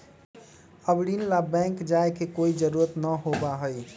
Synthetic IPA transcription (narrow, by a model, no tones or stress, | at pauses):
əbɽinlabɛ̃ŋkd͡ʒaekekoid͡ʒəɾuɾət̪nəɦobaɦəj